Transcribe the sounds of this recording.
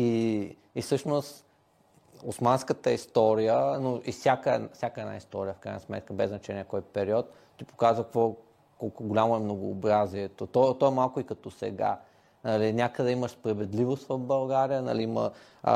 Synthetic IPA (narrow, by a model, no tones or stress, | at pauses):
i | isɤʃnost̪ | ʊsmanskət̪əist̪ɔɾijənoʔifsʲjakəɛnfsʲjakəɛna̰ist̪ɔɾijəfkɾajnəsmɛ̰t̪̚kəbɛ̰znɐt͡ʃɛnijəkɔjpɛɾiɔt̪ | t̪ipo̥kazvəkkvɔ | kɔlˠkʊɡolʲamoɛmnoɡʊːbɾaziɛt̪ot̪ɔt̪ɔɛmalˠkʊikɐt̪ɔsɛ̰ɡa̰ | nɐlinʲakəd̪ɛiməʃspɾɐvɛd̪livost̪vɐvbɐlˠɡaɾijənɐ̰liimə̰